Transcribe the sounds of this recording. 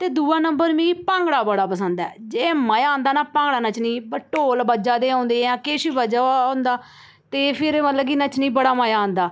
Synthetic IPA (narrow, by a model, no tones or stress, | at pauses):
t̪eːd̪uːaːnəmbəɾmĩːipãːŋɡɽaːbəɽaːpəsənd̪ɛ̰ːd͡ʒeːmajaːnd̪aːnaːpãːŋɡɽaːnət͡ʃnĩːpəʈoːlbəd͡ʒaːd̪eːãːnd̪eːãːkeːʃiːbəd͡ʒaːõːnd̪aː | t̪eːpʰɪɾmət̪ləbkinət͡ʃnĩːbəɽaːməjãːnd̪aː